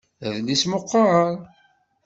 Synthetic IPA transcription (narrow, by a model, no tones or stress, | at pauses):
ðlismʊqːɑɾəɾˤ